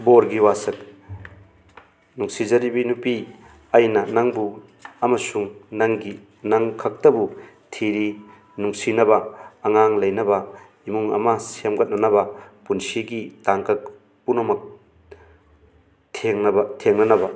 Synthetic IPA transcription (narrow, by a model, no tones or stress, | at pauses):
boɾɡiwasɐk | nuŋsizɐɾibinupi | ɐjnɐnɐŋbu | ɐmɐsuŋnɐŋɡi | nɐŋkʰɐk̚tɐbu | tʰiɾi | nuŋsinɐbɐːŋaŋlɐjnɐbɐ | imuŋɐ̰mɐsemɡɐt̚nɐnɐbɐpunsiɡitaŋkɐk̚ | punɐmɐk̚ | tʰeŋnɐbɐtʰeŋnɐnɐbɐ